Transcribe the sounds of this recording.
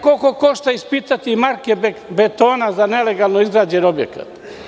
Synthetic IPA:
kokokoʃt̪aispit̪at̪imaɾkebbet̪oːnazaneleɡalˠnoizɡɾaːd͡ʑenobjḛka̰t̪

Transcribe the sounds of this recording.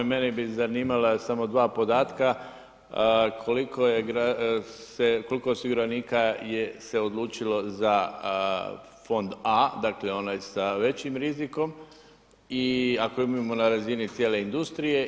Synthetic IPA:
me̞nibizaniːmalasamo̞d̪ʋaːpo̞d̪aːt̪ka | kʰolikojeɡɾaseko̞likoosiɡuɾaniːkajese̞o̞d̪lˠuːt͡ʃilo̞za | fo̞nd̪ad̪akleo̞najsaʋe̞t͡ɕimɾiziko̞m | iako̞imamo̞naɾazinit̪sʲjeːle̞ind̪ust̪ɾije̞

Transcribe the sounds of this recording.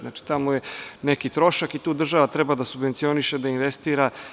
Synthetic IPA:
nat͡ʃi̥t̪amojenekit̪ɾo̞ʃakit̪uːd̪r̩ʒaʋat̪ɾɛbad̪asubʋent̪sijo̞niʃed̪ainʋest̪iːɾa

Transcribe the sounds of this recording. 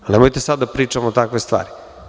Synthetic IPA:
nemojt̪esad̪d̪apɾiːt͡ʃamot̪akʋest̪ʋa̰ːɾi

